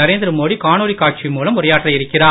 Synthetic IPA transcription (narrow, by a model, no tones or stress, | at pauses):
ɐɾeːnd̪ɪɾɯmoːɽikaːnuːɽikaːʈ̚t͡ʃimuːlɐmɔɾɐjaːʈːlɐɪɾɯkːɪɾaː